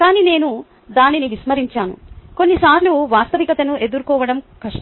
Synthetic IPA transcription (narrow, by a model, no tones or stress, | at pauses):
kaːniːne̞ːnu | d̪aːniniʋismɐɾiɲt͡ʃaːnṵko̞nːisaːɾluʋaːst̪ɐʋikɐt̪ɐnuʔe̞d̪uɾukɔːʋɐɽɐmkʰɐʂɐ